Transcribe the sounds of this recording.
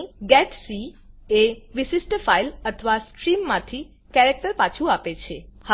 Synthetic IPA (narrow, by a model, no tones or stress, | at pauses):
ɡɛʈsi | eʋisisʈəfailət̪ʰəʋasʈɾimːãt̪ʰi | kɛɾek̚ʈəɾpat͡ʃʰuapet͡ʃʰeh